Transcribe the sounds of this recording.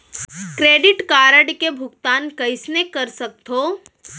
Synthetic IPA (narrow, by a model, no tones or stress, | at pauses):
kɾeːɖɪʈkaːɾəɖkebʱʊkt̪aːnkɐɪsnekɐɾsɐk̚t̪oː